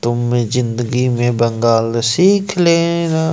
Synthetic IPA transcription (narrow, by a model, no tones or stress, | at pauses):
t̪ʊmezɪ̃nd̪əɡimẽbɐ̃ŋɡaːlsiːkʰleːna